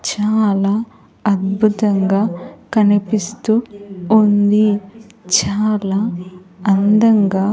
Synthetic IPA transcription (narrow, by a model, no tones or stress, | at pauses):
t͡ʃaːlaː | ɐd̪̚bʱut̪ɐŋɡaːkɐnipist̪uund̪it͡ʃaːlaːɐnd̪ɐŋɡaː